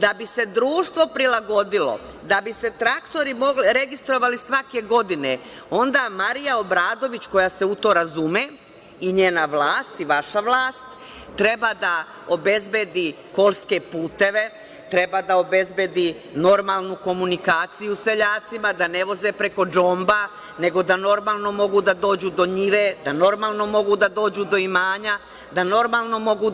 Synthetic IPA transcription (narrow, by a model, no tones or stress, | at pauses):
d̪abise̞d̪ɾuːʃt̪ʋo̞pɾilˠaɡo̞d̪ilo̞̰ | d̪abise̞t̪ɾakt̪o̞ɾimo̞ɡliɾe̞ɡist̪ɾo̞ʋalisʋake̞ɡo̞d̪ine | o̞nd̪amaɾijao̞bɾaːd̪o̞ʋit͡ɕko̞jase̞ut̪o̞ːɾazume | iɲeːnaʋlaːst̪iʋaʃaʋlˠaːst̪ː | ɾe̞bad̪a | o̞be̞zbe̞d̪i | ko̞lˠske̞puːt̪e̞ʋe̞ | t̪ɾe̞bad̪ao̞be̞zbe̞d̪i | no̞ɾmalˠnuko̞munikaːt̪sijuse̞ʎaːt̪simad̪ane̞ʋo̞ze̞pɾe̞ko̞d͡ʒo̞mba | ne̞ɡo̞d̪ano̞ɾmaːlˠno̞mo̞ɡud̪ad̪o̞ːd͡ʑud̪o̞ɲiʋed̪ano̞ɾmaːlˠno̞mo̞ɡud̪ad̪o̞ːd͡ʑud̪o̞imaːɲa | d̪ano̞ɾmalˠno̞mo̞ɡu